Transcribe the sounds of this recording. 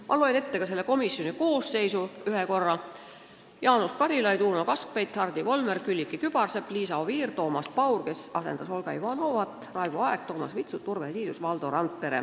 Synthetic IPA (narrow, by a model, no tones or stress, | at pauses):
mʔɑloene̞t̪ːe̞kɑs̬e̞lːeko̞misjo̞niko̞ːsːe̞jsuyheko̞rːɑ | jɑːnuskɑɾilɑjt̪uːnokɑsk̚pejt̪hɑrd̪ivo̞lmerkylʲːikːˑikyb̥ɑrsepliːsɑoviːrt̪o̞ːmɑspɑwrke̞sɑsend̪̥ɑso̞lɡ̥ɑivɑno̞vɑt̪ːˑrɑjvuɑeɡ̥t̪o̞ːmɑ̰svit̪sut̪ːurveliːd̪̥usvɑld̪o̞ɾɑnt̪̚pe̞ɾḛ